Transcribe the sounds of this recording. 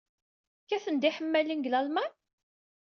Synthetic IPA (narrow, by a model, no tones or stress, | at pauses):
kːæθənd̪iħəmːælinɡlælmæn